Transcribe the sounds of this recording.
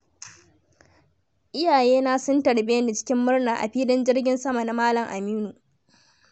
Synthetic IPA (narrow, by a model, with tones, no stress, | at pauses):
ʔɪ˦jaː˨jeː˦naː˦sʊ˦ntɐ˨ɽbe˦na˨t͡ʃɪ̥˦kʲɪ˦mːʊ˦rnaː˨ʔa̰˨ɸiː˦dɪ˦nd͡ʒɪ˦rɡʲɪ˦nsɐ˦ma˨na˦maː˦lɐ˨ŋʔa˨miː˦nu˨